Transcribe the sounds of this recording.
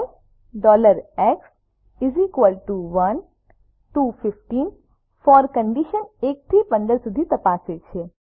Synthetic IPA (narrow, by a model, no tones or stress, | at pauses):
ɖɔːləɾɛks | ɪzikʋəlʈuʋɐn | ʈuːpʰɪfʈiːn | fɔːɾkə̃ɳɖiʃəneːk̚t̪ʰipə̃nd̪əɾsʊd̪ʱit̪ɐpaːset͡ʃʰe